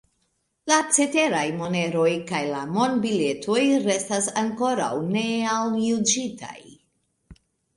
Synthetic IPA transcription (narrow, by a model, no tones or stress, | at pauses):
lat͡se̞te̞ɾajmo̞ne̞ɾo̞jkajlamo̞ndbile̞tʰo̞jɾe̞stasaŋko̞ɾa̰wne̞awjud͡ʒita̰j